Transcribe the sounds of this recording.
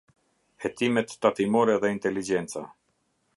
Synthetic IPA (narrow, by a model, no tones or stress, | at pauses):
hɛt̪imɛt̪ːat̪imɔɾɛðɛint̪ɛlid͡ʒɛnt͡sa